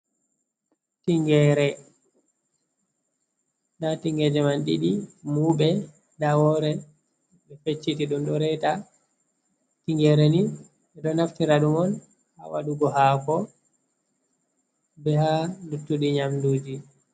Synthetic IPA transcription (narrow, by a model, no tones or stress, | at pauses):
tiŋɡɛɾɛ | ndatiŋɡɛd͡ʒɛmanɗḭɗimuɓɛ | dawɔɾɛ | ɓɛfet͡ʃːitiɗumɗɔɾɛta | tiŋɡɛɾeni | ɛɗɔnaftiɾaɗumɔn | ha̰wa̰ɗuɡɔɦakɔ | bɛhanutːuɗiɲamduːd͡ʒi